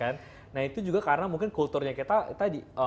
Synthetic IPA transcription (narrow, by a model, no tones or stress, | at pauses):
anː | ahit̪ud͡ʒuɡakaɾənamuŋkɪnkult̪urɲakit̪akit̪adiə